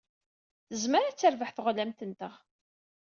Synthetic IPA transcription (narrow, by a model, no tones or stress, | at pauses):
θəzməɾat͡sːəɾvəħθəʁlæmt̪ənt̪əʁ